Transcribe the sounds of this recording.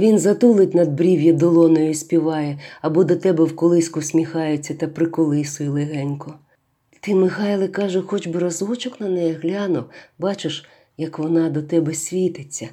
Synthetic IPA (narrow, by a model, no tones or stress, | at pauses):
ʋʲinzɐt̪ulˠɪtʲnɐd̪̚bɾʲiwjɐd̪ɔlˠɔnɔjʊsʲpʲiʋɑjɛɐbɔd̪ɔt̪ɛbɛwkɔlˠɪsʲkʊsʲmʲixɑjɪt͡sʲːɐt̪ɐpɾɪkɔlˠɪsʊjilˠɪɦɛnʲkʊ | t̪ɪmɪxɑjlˠɪkɑʒʊxɔt͡ʃbɪɾɐzɔt͡ʃɔknɐnɛjɛɦlʲɑnʊbɑt͡ʃɪʃ | jɐkʋɔnɑd̪ɔt̪ɛbɛsʲʋʲit̪ɪt͡sʲːɐ